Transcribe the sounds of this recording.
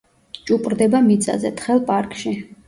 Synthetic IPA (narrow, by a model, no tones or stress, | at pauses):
t͡ʃʼupʼɾd̪ɛbamit̪sʼa̰zɛ̰t̪ʰχɛlˠpʼaɾkʼʃi